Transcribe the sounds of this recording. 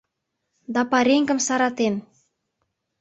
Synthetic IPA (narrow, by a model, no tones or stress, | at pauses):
d̪ɑpɑɾeŋɡə̆msɑɾɑt̪en